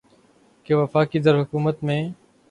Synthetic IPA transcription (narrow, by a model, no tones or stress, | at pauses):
keːʋəfaːkiːzəɾɦʊkuːmət̪mẽː